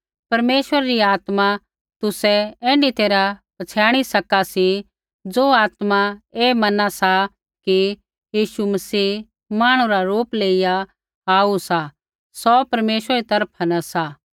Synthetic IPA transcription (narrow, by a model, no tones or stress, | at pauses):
pɐɾmeːʃʋəɾaɾiaːt̪mã | t̪ʊsɛɛ̃ːɳɖit̪eːɾapɐt͡sʰjaːɽ̃isɐkasi | d͡zoːaːt̪mãeːmɐnasa | ki | jiːʃumɐsiː | maːɽ̃ũɾaɾuːpleːɪja | aːusa | sɔpɐɾmeːʃʋəɾit̪ɐɾpʰanɐsaː